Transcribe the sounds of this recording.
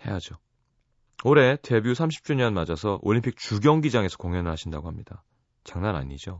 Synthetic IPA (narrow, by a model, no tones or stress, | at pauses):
he̞̰jad͡ʑo | oɾe̞te̞bjusʰamɕʰi̥p̚t͡ɕ͈uɲʌnmad͡ʑasʰʌʔoɭːimpʰik̚t͡ɕuɡjʌŋɡid͡ʑaŋe̞sʰʌkoŋjʌnɯɭɦaɕʰindaɡoɦamɲid̥a | t͡ɕaŋnana̰ɲid͡ʑo